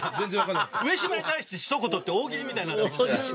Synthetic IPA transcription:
zẽnzẽβakanːɯ̟e̞ɕimait̪aiɕi̥t̪eɕi̥sokot̪ot̪ːeoːɡʲiɾʲimʲit̪ainao

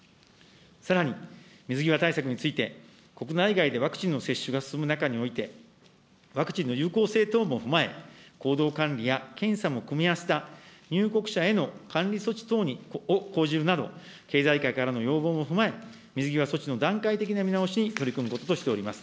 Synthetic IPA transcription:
saɾaɲ̟imʲizɨɡʲiβat̪aisakɯ̟ɲ̟it͡sɨit̪e̞ | ko̞kɯ̟naiɡaid̪e̞β̞akɯ̟̥t͡ɕĩnːo̞se̞ɕːɨɡasɨ̥sɨmɯ̟nakaɲ̟io̞it̪e̞ | βakɯ̟̥t͡ɕĩnːo̞jɯ̟ːko̞ːse̞ːt̪o̞ːmo̞ɸɯ̟mae̞̰ko̞ːd̪o̞ːkãnɾʲijakẽ̞ɰ̃samo̞kɯ̟mʲiase̥t̪aɲ̟ʲɨːko̞kɯ̟̥ɕae̞no̞kʰãnɾʲiso̞t͡ɕi̥t̪o̞ːɲ̟ioko̞ːʑiɾɯ̟nad̪o̞̰ | ke̞ːzaikaikaɾano̞jo̞ːbo̞ːmo̞ɸɯ̟mae̞ | mʲizɨɡʲiβ̞aso̞t͡ɕino̞d̪ãŋkait̪e̞k̬ʲinamʲinao̞ɕiɲ̟it̪oɾikɯ̟mɯ̟ko̞t̪ot̪o̞ɕi̥t̪e̞o̞ɾʲimasɨ̥

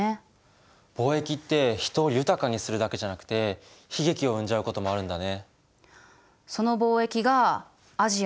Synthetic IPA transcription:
b̥o̞ːe̞kʲit̪ːe̞çi̥t̪o̞ːjɯ̟t̪akaɲ̟isɨɾɯ̟d̪ake̞ʑanakɯ̟̥t̪e̞ | çiɡe̞kʲio̞ɯ̟̃ɲ̟d͡ʑaɯ̟ko̞t̪o̞mo̞aɾɯ̟̃nd̪ane̞ | so̞no̞bo̞ːe̞kʲiɡaː | ʑi

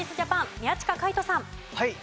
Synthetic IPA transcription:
isɨd͡ʑapãmmʲiat͡ɕi̥kakait̪o̞sãm | ha

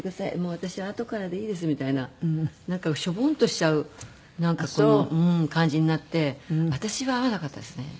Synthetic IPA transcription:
ekɯ̟d̪asaḭmo̞ːβat̪aɕiβaːt̪o̞kaɾad̪e̞iːd̪e̞s̬ɨmʲit̪ainanãŋkaɕo̞bõ̞nt̪oɕi̥t͡ɕaɯ̟ | nãŋkakonoɯ̟̃kãɲ̟d͡ʑiɲ̟inat̪ːe̞βat̪aɕiβaːβanakat̪ːad̪e̞sɨne̞̰

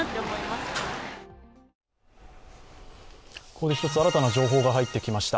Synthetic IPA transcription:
t̪ːemoimasɨ̥ | ko̞ːd̪e̞çi̥t̪o̞t͡sɨaɾat̪anad͡ʑo̞ːɦo̞ːɡaɦait̪ːe̞kʲimaɕi̥t̪a

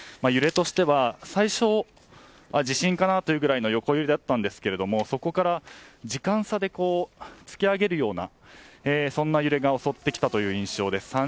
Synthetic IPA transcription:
majɯ̟ɾe̞t̪o̞ɕi̥t̪e̞βasaiɕo̞ | ad͡ʑiɕĩŋkanat̪o̞jɯ̟ːɡɯ̟ɾaino̞jo̞ko̞jɯɾid̪eat̪ːãnd̪e̞sɨ̥ke̞ɾe̞d̪o̞mo̞so̞ko̞kaɾad͡ʑikãɰ̃sad̪e̞ko̞ːt͡sɨ̥kʲiaɡe̞ɾɯ̟jo̞ːna̰ | esõ̞nːajɯ̟ɾe̞ɡao̞so̞t̪ːe̞kʲi̥t̪at̪o̞jɯ̟ːĩɰ̃ɕo̞ːd̪e̞sɨ̥ã

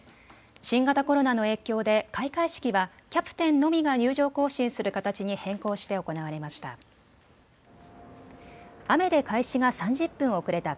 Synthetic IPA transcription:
ɕĩŋɡat̪ako̞ɾo̞nano̞e̞ːkʲo̞ːd̪e̞kaikaiɕi̥kʲiβa | kʲapɯ̟̥t̪ẽ̞nːo̞mʲiɡaɲɨːʑo̞ːko̞ːɕĩɰ̃sɨɾɯ̟kat̪at͡ɕiɲ̟ihẽ̞ŋko̞ːɕi̥t̪e̞o̞ko̞naβaɾe̞maɕi̥t̪a̰ | ame̞d̪e̞kʰaiɕiɡasãɲ̟d͡ʑɨpːɯ̃ɰ̃o̞kɯ̟ɾe̞t̪a

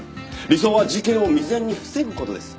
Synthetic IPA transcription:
ɾʲiso̞ːβad͡ʑikẽ̞ɰ̃o̞mʲizẽ̞ɲ̟ːiɸɯ̟̥se̞ɡɯ̟kot̪o̞̰d̪esɨ̥

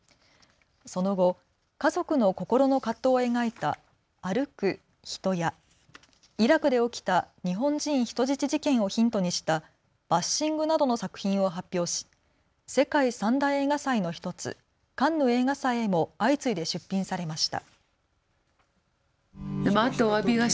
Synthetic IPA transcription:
so̞no̞ɡo̞ | kazo̞kɯ̟no̞ko̞ko̞ɾo̞no̞kat̪ːo̞ːe̞ŋait̪aː | ɾɯ̟kɯ̟ | çi̥t̪o̞ja | iɾakɯ̟d̪e̞o̞kʲi̥t̪aɲ̟iɦõ̞ɲd͡ʑĩɰ̃çi̥t̪o̞ʑit͡ɕiʑikẽ̞ɰ̃o̞çĩnt̪o̞ɲ̟iɕi̥t̪a | b̥aɕːĩŋɡɯ̟nad̪o̞no̞sakɯ̟̥çĩɰ̃o̞ɦapʲːjo̞ːɕi̥ | se̞kaisãnd̪aie̞ːɡasaino̞çi̥t̪o̞t͡sɨ̰ | kãnːoe̞ːŋasaiemo̞ait͡sɨid̪e̞ɕɨpʲːĩɰ̃saɾe̞maɕi̥t̪a̰ | mat̪ːoabʲiɡa

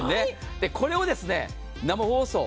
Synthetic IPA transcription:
ne | d̪̥e̞kʰo̞ɾe̞o̞d̪e̞sɨne̞̰ | namaho̞ːso̞ː

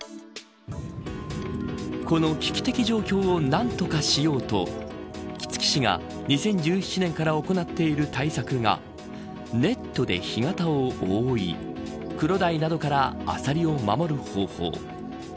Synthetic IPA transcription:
ko̞no̞kʲi̥kʲi̥t̪e̞kʲiʑo̞ːkʲo̞ːonãnt̪o̞kaɕijo̞ːt̪o̞̰ | kʲi̥t͡sɨ̥kʲi̥ɕiŋa̰ | ɲ̟isẽ̞ɲ̟d͡ʑɨːçi̥t͡ɕinẽ̞ŋkaɾao̞ko̞nat̪ːe̞iɾɯ̟t̪aisakɯ̟ŋa̰ | ne̞t̪ːo̞d̪e̞̰çiŋat̪aooḭ | kɯ̟ɾo̞d̪ainad̪o̞kaɾaa̰saɾʲio̞mamo̞ɾɯ̟ho̞ːho̞̰ː

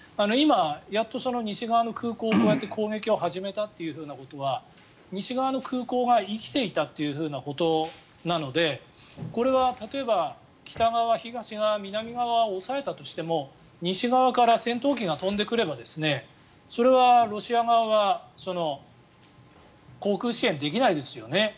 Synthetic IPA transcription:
ano̞imajat̪ːo̞so̞no̞ɲ̟iɕiɡaβano̞kɯ̟ːko̞ːkoːjat̪ːe̞kʰo̞ːɡe̞kʲio̞ɦaʑime̞t̪at̪ːe̞jɯ̟ɸɯ̟ːnako̞t̪o̞β̞a | ɲ̟iɕiɡaβano̞kʰɯ̟ːko̞ːɡaikʲi̥t̪e̞it̪at̪ːe̞jɯ̟ɸɯ̟ːnako̞t̪o̞ | nano̞d̪e̞ | ko̞ɾe̞βat̪at̪o̞e̞ba | kʲi̥t̪aɡaβaβaçiɡaɕiɡamʲinamʲiɡaβaoːsae̞t̪at̪o̞ɕi̥t̪e̞mo̞ | ɲ̟iɕiɡaβakaɾasẽ̞nt̪o̞ːk̬ʲiŋat̪õ̞nd̪e̞kɯ̟ɾe̞bad̪e̞sɨne̞ | so̞ɾe̞βaɾo̞ɕiaɡaβaβaso̞no̞ | ko̞ːkɯ̟ːɕiẽ̞nd̪e̞kʲinaid̪e̞sɨjo̞ne̞

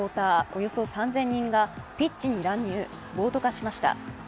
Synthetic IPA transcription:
oːt̪aːo̞jo̞so̞sãnzẽ̞ɲ̟ːĩŋɡapʲit͡ɕt͡ɕiɲ̟iɾãɲ̟ːɨː | bo̞ːt̪o̞kaɕimaɕi̥t̪a̰

